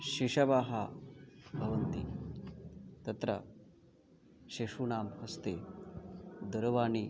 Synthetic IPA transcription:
ɕiʂɐʋaːɦa | bʱɐʋɐnt̪i | t̪ɐt̪ɾɐ̰ | ɕeʂunaːmhɐst̪e | d̪ɐɾʋaːni

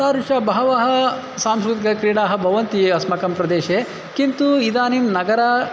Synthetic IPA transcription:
saːɾuʃɐbɐɦɐʋɐɦɐ̆ | saːmskɾut̪ikɐkɾiːɽaːɦɐ̆bʱɐʋɐnt̪iɐsmɐkɐmpɾɐd̪eːʃe | kint̪uid̪aːnimnɐɡɐɾaː

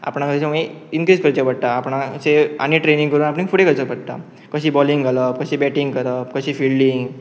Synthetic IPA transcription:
a̰pɳakəsaməeinkɾiːskəɾt͡ɕəpəɽt̪aːpɳasea̰ɽ̃iʈɾenĩŋkəɾuːnapɳĩːkfuɽekəɾt͡ɕəpəɽt̪a̰ | kəɕiːbɔliŋɡaləp̚kəɕibɛʈiŋɡkəɾəp̚kəɕiːfilɖiŋɡ

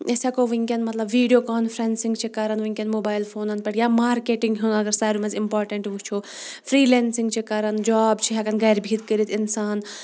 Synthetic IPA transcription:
esakoʋɐŋkʲɐnmɐt̪lɐbʋiːɖijoːkaːnfʰɾensĩŋɡt͡ʃʰikaɾɐnʋuiŋʲkʲɐnmoːbaːjlfʰoːnɐnpɐʈjaːmaːɾkeːʈiŋɡɦunɐɡɐɾsaːɾumɐzimpaːɾʈɐɳʈʋut͡ʃʰo | fʰɾiːleːnsĩŋɡt͡ʃʰikaɾɐnd͡ʒaːbt͡ʃʰiɦɐkɐnɡɐjɾbʱiːt̪kəɾit̪ʰɪnsaːn

